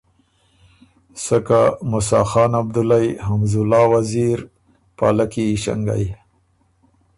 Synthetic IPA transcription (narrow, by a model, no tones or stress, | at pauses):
səkamʊsɑːxɑːnab̚d̪ʊlajɦamzʊlɑːwaziɾ | pa̰lakiʃa̰ŋɡa̰j